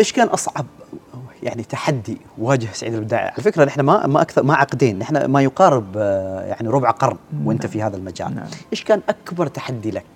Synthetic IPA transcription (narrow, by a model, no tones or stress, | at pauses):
ʔeːʃkaːnʔɑsˤʕɑb̚ja̰ʕnit̪aħad̪ːiwaːd͡ʒɪhsaʕiːd̪albɪd̪aːʕḭʕalafɪkɾanːʔɪħnama̰maʔakθɑɾˤmaʕɑqd̪iːnʔɪħna̰majʊqɑːɾɪbja̰ʕniɾʊbʕaqɑɾˤnwʔɪnt̪afihaːðalmad͡ʒa̰ːlʔeːʃkaːnʔakbɑɾˤt̪ḁħad̪ːilak̚